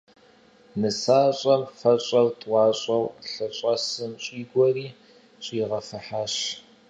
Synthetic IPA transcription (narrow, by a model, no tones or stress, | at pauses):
nɨsaːɕʼɐmfɐɕʼɐrtʼwɑːɕʼɐwɬɐɕʼɐsɨmɕʼiːɡʷɔriː | ɕʼiːʁɐfɨħaːɕ